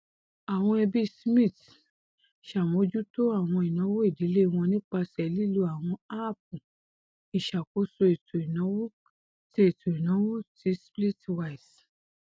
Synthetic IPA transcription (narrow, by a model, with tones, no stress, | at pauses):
a˨w̃ɔ̃˧ɛ˧bi˦smĩ˦˨t | ʃa˨mõ˨˦d͡ʒu˦to˦a˦˨w̃ɔ̃˧i˨nã˨˦wo˦i˦˨di˨˦le˦˧w̃ɔ̃˧nĩ˦k͡pa˧sɛ˨li˦lu˧˦a˨w̃ɔ̃˧a˦˨p̚u˨ | i˨ʃa˨ko˨˦so˧e˨tʰo˨i˨nã˨˦wo˦ | ti˦e˦˨tʰo˨i˨nã˨˦wo˦ti˨˦spli˦twa˦˨i˨s